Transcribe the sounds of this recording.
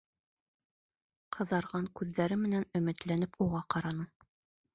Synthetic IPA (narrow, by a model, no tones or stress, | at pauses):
qʰɤ̆ðɑɾʁɑŋkʉðːæɾɘmɘ̆nænɵ̆mɘ̆t̪lænɘpʰuʁɑqɑɾɑnɤ